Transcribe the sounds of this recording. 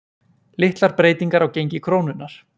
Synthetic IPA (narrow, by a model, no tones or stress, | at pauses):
lɪht̪laɾpɾeːjt̪iŋkaɾawcejɲcɪkʰɾoːwnʏnːaɾ̥